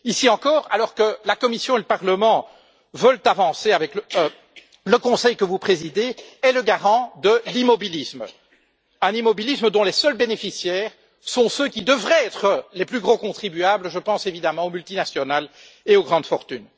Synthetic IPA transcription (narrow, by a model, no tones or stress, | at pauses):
isiɑ̃kɔːʁa̰lɔʁkəlakɔmisjɔ̃eləpaʁləmɑ̃ | vœlt̪avɑ̃seavɛk | ləkɔ̃sɛjkəvupχezid̪eɛləɡaʁɑ̃d̪əlimɔbilism | ɛ̃nimɔbilisməd̪ɔ̃lɛsœlbenefisjɛːʁ | sɔ̃søkʲid̪əvʁɛɛt̪χəlɛplyɡʁokɔ̃t̪χibyabləʒəpɑ̃sevid̪amɑ̃omylt̪inasjɔnal | eoɡʁɑ̃d̪fɔʁt̪yn